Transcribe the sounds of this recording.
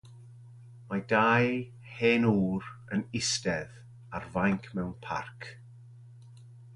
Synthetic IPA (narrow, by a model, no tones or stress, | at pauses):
madaj | heːnuːɾənɪstɛð | arvajŋkʰmɛwnpʰa̰rkʰ